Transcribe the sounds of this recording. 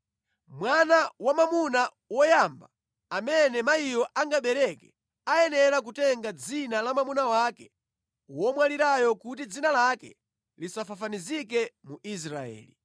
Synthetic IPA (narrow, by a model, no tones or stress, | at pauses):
mwanawamamuna | wɔjamba | amɛnɛmaijɔʔaŋɡaɓɛɾɛkɛ | ajɛnɛɾak̬utɛŋɡad͡zinalamamunawakɛ | wɔmwaliɾajɔkut̬id͡zinalakɛ | lisafafanizikɛmuʔis̬ɾa̰ɛ̰ːli